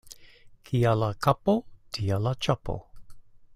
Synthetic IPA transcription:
kʰialakʰapotʰialat͡ʃapo̰

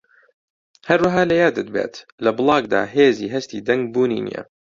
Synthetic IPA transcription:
hɐɾwɐɦaːlɐjaːd̪ɨt̪̚bḛːt̪lɐbɨlˠɑːɡd̪a̰ːɦeːziːɦɐst̪iːd̪ɐŋɡ̚buːnḭːnḭjɛ̰

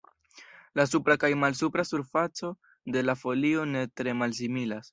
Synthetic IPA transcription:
lasupɾakajmalsupɾasuɾfat͡so̞ | de̞lafo̞lio̞ne̞tɾe̞mals̬imilas

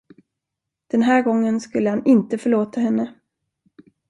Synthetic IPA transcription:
d̪̥ɛnɦæːɾɡɔŋːənskɵlːəhanɪnt̪əfœɭoːt̪aɦɛnːə

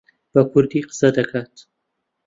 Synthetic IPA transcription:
b̥ɐkʰʊɾd̪iqɨ̥sɐd̪ɐkʰaːt̪

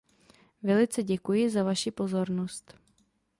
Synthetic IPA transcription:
vɛlɪt͡sɛɟɛkujɪzavaʃɪpo̞zo̞ɾnost̪

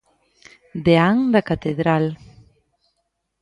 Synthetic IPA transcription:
d̪eaŋd̪ɐkat̪eðɾal

